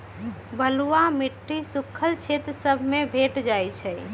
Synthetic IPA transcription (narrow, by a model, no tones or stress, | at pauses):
bəluamiʈːisukʰːəlt͡ʃʰet̪ɾsəbʱmebʱeʈd͡ʒajt͡ʃʰɛ